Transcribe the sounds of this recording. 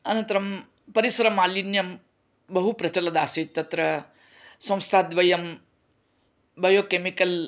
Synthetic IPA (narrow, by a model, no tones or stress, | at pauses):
ɐnɐ̃nt̪ɐɾɐm | pɐɾisɐɾɐmaːlinjɐm | bɐɦupɾɐt͡ʃɐlɐd̪aːsit̪ːɐt̪ɾɐ | sɐ̃w̃st̪ʰaːd̪ʋɐjɐm | bɐjoːkemikɐl